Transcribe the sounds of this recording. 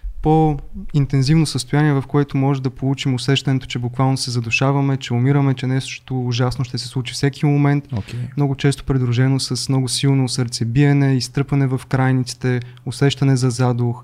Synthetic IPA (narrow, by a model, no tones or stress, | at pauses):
point̪ɛnzivnosəst̪ojaniɛvɐfkoɛt̪omɔʒɛmd̪ɐpolˠut͡ʃimʊsɛʃt̪ɐnɛt̪o̥t͡ʃɛbʊkvalˠnosɛzɐd̪ʊʃavɐmɛt͡ʃɛʊmiɾəmɛt͡ʃɛnɛʃt̪oːʒasnoʃt̪ɛsɛslˠut͡ʃifsɛkʰimomɛnt̪okʲɛmnɔɡʊt͡ʃɛst̪o̥pɾid̪ɾuʒɛnosɐsmnɔɡʊsilˠnosɤɾt̪sɛbiɛnɛist̪ɤpvɐnɛvɐfkɾajnit̪si̥t̪ɛʊsɛʃt̪ɐnɛzɐzad̪ʊx